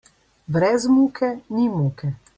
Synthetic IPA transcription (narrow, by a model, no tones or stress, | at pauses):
bɾɛzmuːkʰɛnimuːkɛ